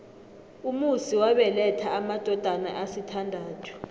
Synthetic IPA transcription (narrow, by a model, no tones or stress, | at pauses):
umusiwaɓɛlɛtʰaːmad̥ʱɔd̥ʱana̰ʔasitʰandʱaːtʰu̥